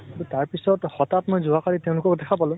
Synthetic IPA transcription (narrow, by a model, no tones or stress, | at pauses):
aɹutaɹpisɔtxɔtatmɔjzʊakaliteʊ̃lʊkɔkdɛkʰapalʊ̃